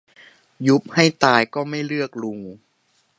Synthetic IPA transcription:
ju˦˥p̚ha˥˩jt̪aː˧jkɔː˥˩ma˥˩jɾɯ˥˩ək̚lu˧ŋ

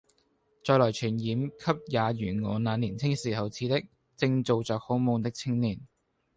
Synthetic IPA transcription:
t͡ʃɔː˧jlɔː˨˩jt͡ʃʰyː˨˩njiː˨˥mkʰɐ˥p̚jaː˨˧jyː˨˩nŋɔː˨˩naː˨˧nliː˨˩nt͡sʰɪ˥ŋsiː˨˩ɦɐ˨wt͡sʰiː˨˥t̪ɪ˥k̚ | t͡sɪ˧ŋt͡so˨˧wt͡sœː˨k̚ho˨˥wmo˨˧ŋt̪ɪ˥k̚t͡sʰɪ˥ŋniː˨˩n

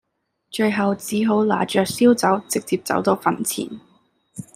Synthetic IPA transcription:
t͡ʃɵ˧ɥɦɐ˨wt͡siː˨˥ɦo˨˥wla̰ː˨˩t͡ʃœː˨k̚siː˥wt͡sɐ˨˥wt͡sɪ˨k̚t͡siː˧p̚t͡sɐ̰˨˥wt̪ɔː˥fɐ˨nt͡sʰḭː˨˩n

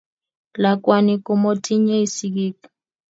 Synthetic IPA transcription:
la˨kwa˦ni˦ko˦mo˦tʰʼi˦ɲe˦i˦si˦ɡiː˦ka

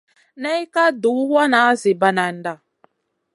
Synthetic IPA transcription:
na˦i˦ka˦du˨˦wa˦na˨˦zi˨ba˨na˨n̩˨˦da˨

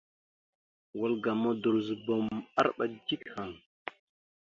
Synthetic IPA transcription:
wa˨˦lɡa˨mo˦du˨ɾzu˨bo˨ma̰˦ɾɓa˨d͡ʒi˦kha˨ŋ

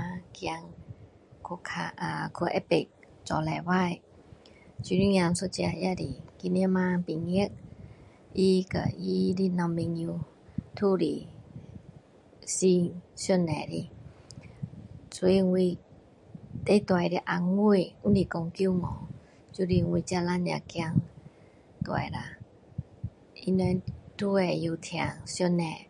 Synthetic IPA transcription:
a˧ki˧a˧ŋ | kʰo˧kʰa˧ʔa˧kʰu˧˨ʔɛ˧˦pe˨k̚t͡ɕɔ˨˧lɛ˧wa˦˧˨j | t͡ʃu˧ni˦˧ŋja˧nso˧t͡ʃi˧a˧˨ja˧di˨ki˧ne˧˦ma˧pi˨ŋi˧˦ə˦k̚ | ʔi˧ka̰˨ʔi˧di˧na˧me˧ŋju˧ | t̪ʰu˧ɾḭ˨ | si˧ŋso˧nɛ˧˨ɾi˧ | su˧i˧ŋwi˧ | t̪e˧˦t̪wa˧jɾi˧ʔa˧ŋu˧˨u˦ndi˧˨ko˧ŋki˧˦˨ŋɔ̰˨˦ | t͡ʃu˧˦ɾi˧ŋwi˧t͡ɕa˧la˧˦ni˨a̰˧˨kja˧ŋ | t̪a̰˨˧˨jɾa˧ | i˧nɔ˧˦t̪ʰu˧ɛ˧˩ju˧t̪ʰja̰˨˩ŋsjo˧nɛ˧˩

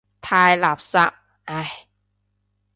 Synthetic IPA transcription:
t̪ʰaː˧jla˨˩p̚sa˦˥p̚ | ʔa˧˩j

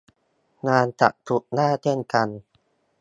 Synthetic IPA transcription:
naː˧nt͡ɕa̰˨˩ʔ̚t̪ʰu˨˩k̚naː˥˩t͡ɕʰe˥˩˨nka˧n

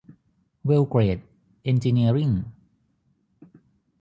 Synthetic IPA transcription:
wi˧wkɾeː˨˩t̪̚ | ʔe˧nd͡ʒi˧ni˧əɾi˥˩ŋ

